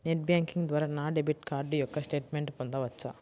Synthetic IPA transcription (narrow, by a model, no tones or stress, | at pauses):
neʈ̚bjaːŋkiŋɡd̪ʋaːɾanaːɖebiʈkaːɾɖujɔkːɐsʈe̞ːʈmeɳʈpɔnd̪ɐʋɐt͡ʃːa